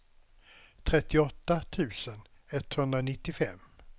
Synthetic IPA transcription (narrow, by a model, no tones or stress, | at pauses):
t̪ʰɾɛt̪ːɪɔt̪ːat̪ʰʉ̟ːsən | ɛt̪ːhɵnd̪ɾanɪt̪ːɪfɛ̰mː